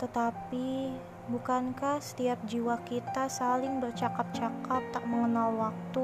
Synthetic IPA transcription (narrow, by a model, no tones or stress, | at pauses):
t̪ət̪api | bukankahsə̥t̪iap̚d͡ʒiwakit̪asalɪŋbərt͡ʃakap̚t͡ʃakap̚t̪aʔ̚məŋənalwak̚t̪u